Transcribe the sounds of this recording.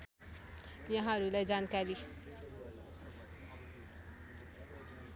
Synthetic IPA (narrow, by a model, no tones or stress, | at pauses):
jʌɦãʌɾulajd͡zankaɾi